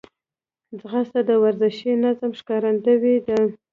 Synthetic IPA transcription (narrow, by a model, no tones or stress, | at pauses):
d͡zɣast̪ad̪əwaɾzɪʃinazəmʃkɑɾand̪əwid̪ə